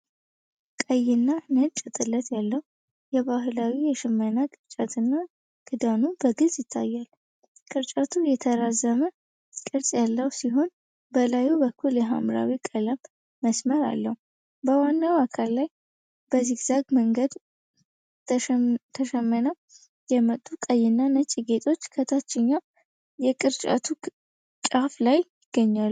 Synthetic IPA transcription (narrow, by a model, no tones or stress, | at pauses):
kʼəjːɪnːanət͡ʃʼːɛt̪ʼɨlːət̪jalːəhu | jɛβahɨlawijɛʃɨmːənakʼɨɾt͡ʃʼat̪ʰɨnːa | ɡ̥ɨd̪anubəɡɨzjɪt̪ʰːa̰jːal | kʼɨɾt͡ʃʼat̪ʰujɛt̪ʰəɾazəmə | kʼɨɾsʼjalːəwsiɦo̞n | bəlajubəkʰːuljɛɦa̰mɾa̰wikʼələmː | əsməɾa̰lːəhu | bəwanːawakʰalːaj | bəzihzaɡməŋɡəd̪ | t̪ʰt̪ʰəʃɛmːənəw | jɛmət̪ʼːukʼəjːɪnːanət͡ʃʼiɡe̞t̪ʰʼo̞t͡ʃːkʰət̪ʰat͡ʃːɪɲːa | jɛkʼɨɾt͡ʃʼa̰t̪ʰu | t͡ʃʼaflajjɪɡ̥ːəɲːal